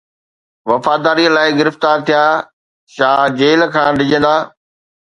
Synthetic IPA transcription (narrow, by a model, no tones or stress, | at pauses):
ʋɐfaːd̪aːɾiəlaːɪɡɪɾɪft̪aːɾt̪ʰijaː | ʃaːd͡ʑeːlkʰãːɖɪd͡ʑə̃nd̪aː